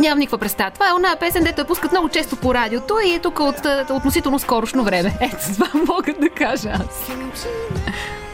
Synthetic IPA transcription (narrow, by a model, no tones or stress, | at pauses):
ɲʲamɐmnikvəpɾɛt̪st̪avət̪ovaɛonaəpɛsɛnd̪ɛt̪ojəpuskət̪mnɔɡʊt͡ʃɛst̪opoɾad̪iot̪oiɛt̪ukəot̪ot̪nosit̪ɛlˠnoskɔɾoʃnovɾɛmɛɛt̪o̥zvamːɔɡəd̪ɐkaʒəas